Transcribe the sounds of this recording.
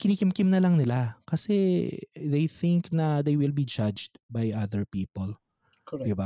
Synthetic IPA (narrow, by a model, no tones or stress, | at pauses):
kɪniːkɪmkɪmnɐlɐŋnɪlakɐsɛðejθɪ̃ŋknɐd̪ejwɪlbid͡ʒad͡ʒd̪bajʔaðəɹpiːpol | kd̪ɪba